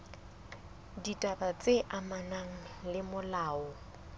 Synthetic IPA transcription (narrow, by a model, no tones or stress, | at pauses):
ditʼabat͡sʼeʔamanaŋ̩lɪmʊlaːɔ